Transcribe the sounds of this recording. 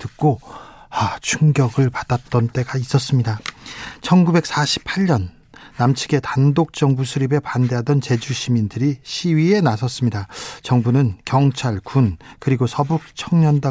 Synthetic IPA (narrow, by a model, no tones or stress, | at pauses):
tɯk̚k͈o | at͡ɕʰuŋɡjʌɡɯɭpad̥at̚t͈ʌnt͈e̞ɡais͈ʌs͈ɯmɲidat͡ɕʰʌnɡube̞k̚s͈aɕʰi̥pʰaɭɲʌnː | amt͡ɕʰi̥ɡe̞tandok̚t͡ɕ͈ʌŋbusʰuɾibe̞pande̞ɦadʌnt͡ɕe̞d͡ʑuɕʰimindɯɾiɕʰiɥie̞nasʰʌs͈ɯmɲidat͡ɕʌŋbunɯnkjʌŋt͡ɕʰaɭkunkɯɾiɡosʰʌbuk̚t͡ɕʰʌŋɲʌnda